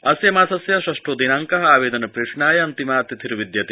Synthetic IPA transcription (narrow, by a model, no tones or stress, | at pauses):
ɐsjɐmaːsɐsjɐʃɾɐsʈɾoːd̪inaːŋkɐɦɐaːʋeːd̪ɐnɐpɾeːʂɳaːjɐɐnt̪imaːɐt̪jit̪ʰiɾʋid̪jɐt̪i